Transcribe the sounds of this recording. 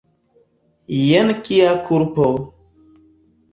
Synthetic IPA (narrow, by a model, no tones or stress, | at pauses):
jenkijakʰuɾpo